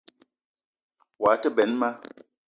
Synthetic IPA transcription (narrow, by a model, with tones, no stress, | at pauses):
wa˨˦tə˦bɛ˨˦nma˦